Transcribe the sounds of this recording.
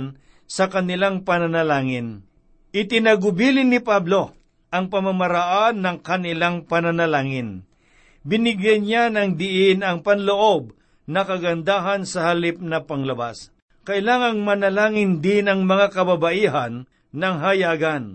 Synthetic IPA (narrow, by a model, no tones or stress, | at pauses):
n | sɐkɐnɪlaŋpɐnɐnɐlaːŋɪn | ʔɪt̪ɪnaɡʊbilɪnːɪpablo̞ | ʔɐŋpɐmamɐɾaʔanːɐŋkɐnɪlaŋpɐnɐnɐlaːŋɪn | bɪnɪɡjɛnjanɐŋd̪ɪʔɪnɐŋpɐnloʔo̞b̚ | nɐkɐɡɐnd̪aːɦɐnsɐhalɪp̚nɐpɐŋlɐba̰s | kɐʔɪlaːŋɐŋmɐnɐlaːŋɪnd̪ɪnɐŋmɐŋakɐbabaʔiːɦanː | ɐŋɦɐjaːɡan